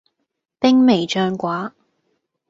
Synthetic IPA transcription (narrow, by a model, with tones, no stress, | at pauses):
pɪ˥ŋme˨jt͡ʃœː˧ŋkwaː˨˥